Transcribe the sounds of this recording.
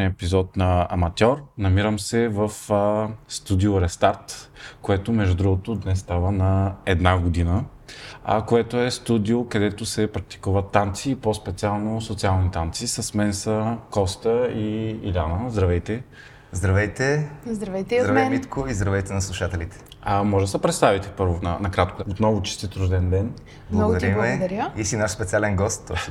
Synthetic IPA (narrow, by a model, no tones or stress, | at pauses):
niɛpizɔt̪nɐɐmɐt̪ʲɔɾnɐmiɾəmsɛvɐf | st̪ud̪ioɾɛst̪aɾt̪koɛt̪omɛʒd̪ud̪ɾuɡʊt̪od̪nɛst̪avənɐɛd̪naɡod̪inə̰ | koɛt̪oɛst̪ud̪iokɐd̪ɛt̪osɛpɾɐk̚t̪i̥kuvət̪ːant̪siːpospɛt̪sialˠnosot̪sialˠnit̪ant̪sisɐsmɛnsəkɔst̪əḭːlʲanəzd̪ɾɐvɛjt̪ɛ | zd̪ɾɐvɛjt̪ɛzd̪ɾɐvɛjt̪ɛid̪ɾɐvɛnmit̪kʊizd̪ɾɐvɛjt̪ɛnɐslˠuʃat̪ɛlit̪ɛ̥ | mɔʒsəpɾɛt̪st̪avit̪ɛ̥pɤɾvonɐ̰nɐkɾat̪koot̪nɔvʊt͡ʃi̥st̪it̪ɾuʒd̪ɛnd̪ɛn | blmnˠɐɔɡd̪ɐilmɛd̪ɐɾjəisinaʃspɛt̪sialɛnɡɔst̪